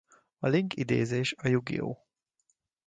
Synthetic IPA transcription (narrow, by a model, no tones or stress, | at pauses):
ɒliŋkid̪ḛːzeːʃɒjuɡḭo̰ː